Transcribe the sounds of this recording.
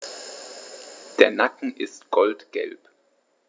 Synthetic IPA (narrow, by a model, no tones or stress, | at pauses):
d̥eːɐnakŋ̩ʔɪstɡ̥ɔltɡ̥ɛ̰lp